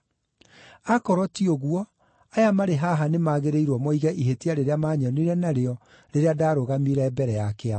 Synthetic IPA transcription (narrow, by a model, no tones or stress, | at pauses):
akɔɾɔtioɣuɔ | ajamaɾeɦaɦanemaɣeɾeiɾwɔmɔiɣɛʔiɦetiaɾeɾeamaːɲɔneiɾɛnaɾeɔ | ɾeɾeadaːɾoɣamiɾɛːbɛɾɛjakea